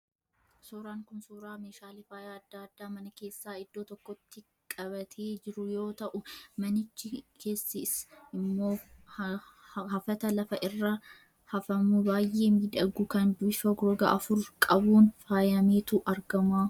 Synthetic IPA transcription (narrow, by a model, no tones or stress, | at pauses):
soːɾaːŋkʊnsuːɾaːmeːʃaːlɪfaːjaːɐd̪ːaːɐd̪ːaːmɐnɐke̞ːsːaːɪd̪ːoːt̪ɔkːɔt̪ːɪ | kʼɐbɐt̪ʰe̞ːd͡ʒɪɾʊjo̞ːt̪ɐʔʊmɐnɪt͡ʃːɪkʰe̞ːsːɪsɪmːo̞ː | hɐfɐt̪ɐlɐfɐʔɪrːɐ | hɐfɐmʊbaːjʔe̞ːmiːd̪ɐɡʊkɐnd̪ʊɪfɐɡɾɔɡɐ̰ʔɐfʊɾkʼɐbuːnfaːjɐmeːt̪uːʔɐɾɡɐmaː